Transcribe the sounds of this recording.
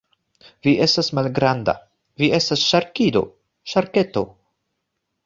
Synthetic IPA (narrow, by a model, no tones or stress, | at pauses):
viʔe̞stasmalɡɾanda̰ | vie̞stasʃaɾkido̞̰ | ʃaɾke̞to̞̰